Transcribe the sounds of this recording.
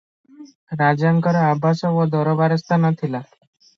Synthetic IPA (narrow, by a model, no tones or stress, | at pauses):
ɾad͡ʒaŋkəɾɔabʱasɔʋɔd̪ʱɔɾɔbaɾəst̪ʰanat̪ʰila